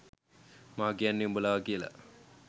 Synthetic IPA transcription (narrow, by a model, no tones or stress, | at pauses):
maːɡejanːiumbulaːʋakiəla̰